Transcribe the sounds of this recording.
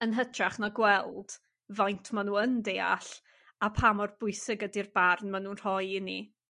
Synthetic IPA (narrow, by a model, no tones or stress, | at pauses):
ənɦətʰraχnaɡwɛlˠd̥ | vajntʰmanuːəndeːa̰ɬ | apʰamɔrbʊɨsɪɡədirbarnmanuːnr̥ɔjɪni